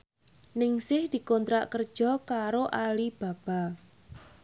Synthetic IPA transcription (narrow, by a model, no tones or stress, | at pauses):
nɪŋsɪhd̪̥i̤kɔnt̪ɾaʔkərd̥ʒ̥ɔ̤kaɾoʔalib̥a̤b̥a̤